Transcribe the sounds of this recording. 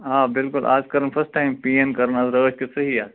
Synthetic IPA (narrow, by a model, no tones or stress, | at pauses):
ɦaːbɪlkʊlʔa̰ːzkɐɾənfʰɐsʈːaːɪmpijɐ̃nkɐɾənaːzɾəːʃkisɐɦiaː